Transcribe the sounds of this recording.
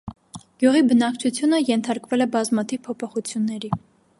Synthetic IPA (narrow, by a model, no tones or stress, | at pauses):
ɡ̥juʁibənɑkt͡ʃʰut͡sʰjunəjɛnt̪ʰɑɾkvɛlɛbɑzmɑt̪ʰivpʰɔpʰɔχut͡sʰjunːɛɾi